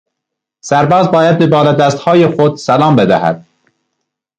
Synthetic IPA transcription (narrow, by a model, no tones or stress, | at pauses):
sæɾbɒːzbɒːjæd̪̚bebɒːlæd̪æst̪hɑːjexod̪sælɑːmbed̪æ̰hæ̰d̪̥̚